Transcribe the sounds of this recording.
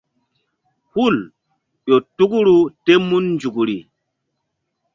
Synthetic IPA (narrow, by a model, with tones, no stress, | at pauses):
hu˦˨l | ɗo˨tu˦ku˦ɾu˦te˦mːu˦nːd͡ʒu˨ku˨ɾi˨